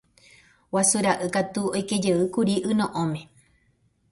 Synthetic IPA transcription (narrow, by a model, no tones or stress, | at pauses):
wasuɾaʔɨkat̪uojked͡ʒeɨkuɾiʔɨ̃nõʔõmẽ̞